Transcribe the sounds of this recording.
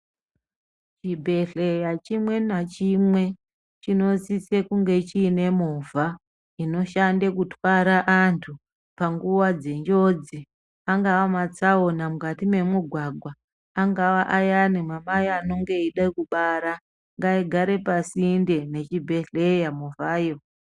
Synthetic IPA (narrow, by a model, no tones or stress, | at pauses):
t͡ʃibʱe̞ɮejat͡ʃimwe̞nat͡ʃimwe̞ | t͡ʃino̞sise̞kuŋɡe̞t͡ʃiːne̞movʱa | ino̞ʃandekutʰwaɾaʔantʰu | paŋɡuwad͡ze̞ɲd͡ʒo̞d͡zi | aŋɡaʋamat͡sao̞namukatime̞muɡʱwaɡʱwaː | ŋɡaʋaʔajanimamajano̞ŋɡe̞iɗaikuɓaɾa | ŋɡaiɡʱaɾe̞pasinde̞ne̞t͡ʃibʱe̞ɮejamuvaːjo